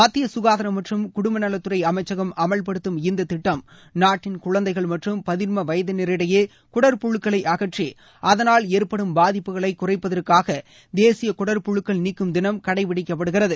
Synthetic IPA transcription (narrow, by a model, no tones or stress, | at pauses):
ɐt̪ːɪjɐsʊɣaːðɐɾɐmɐʈrɯmkʊɽʊmbɐnɐlɐt̪ːɯrɐɪɐmɐɪt͡ʃːɐɣɐmɐmɐɭpɐɽɯt̪ːɯmɪnd̪ɐt̪ɪʈːɐm | naːʈːɪnkʊɭɐnd̪ɐɪɣɐɭmɐʈrɯmpɐðɪɾmɐʋɐjɐðɯnɪɾɪɽɐjeː | kʊɽɐɾpʊɻɯkːɐɭɐɪʔɐɣɐʈri | ʔɐðɐnaːleːɾpɐɽɯmbaːðɪpːɯɣɐɭɐɪkːʊrɐɪpːɐðɐrkaːɣɐ | d̪eːsɪjɐkʊɽɐɾpʊɻɯkːɐɭniːkːɯmd̪ɪnɐmkɐɽɐɪʋɪɽɪkːɐp̬ːɐɽɯɣɪrɐðɯ